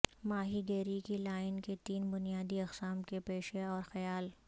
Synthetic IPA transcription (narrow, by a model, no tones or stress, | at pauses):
maːɦiɡɛːɾikilaːɪnket̪iːnbʊnijaːd̪iɐqsaːmkepeːʃeɔːɾxɐjaːl